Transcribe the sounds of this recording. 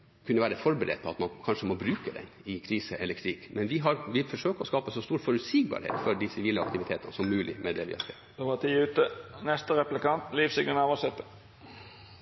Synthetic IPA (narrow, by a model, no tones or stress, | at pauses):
kʰʉnːəʋæːɾəfɔɾbəɾɛ̰d̪̚pʰɔɑt̪mɑnkʰɑnʂəmɔbɾʉːkəd̪ɛ̰nɪkʰɾiːsəʔɛlːəɾkʰɾikmɛnʋɪɦɑɾʋɪfɔʂøːkəɔskɑːpəsɔst̪uːɾfɔɾʉsiːɡ̚bɑ̰ɾhḛːt̪fɔɖɪsɪʋiːləɑ̰kt̪ɪʋɪt̪ʰeːt̪ənəsɔmːʉːlɪmɛd̪ɛʋɪ̰hɑ̰ɾkʰɛ̰d̪̥ɛʋɑt̪ʰiːʉːt̪ənɛst̪əɾɛplɪkɑnt̪liːfsɪɡənɑʋɑsɛt̪ːə